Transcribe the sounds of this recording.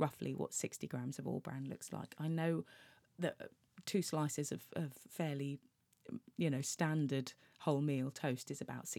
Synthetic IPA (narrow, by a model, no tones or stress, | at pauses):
ɹʌflḭwɒ̰tsɪkstiɡɹãmz̥əvɔ̰ːlˠbɹã̰ndˡlʊ̰ksla̰ɪkʰaɪnəʊ | ðəʔ | tʰʉːslaɪsɪzəv̥əv̥fɛːli | jɨnəʊstãndəd̥ | hɒʊlˠmiːlˠtʰəʊstɨzəbaʊtsɪ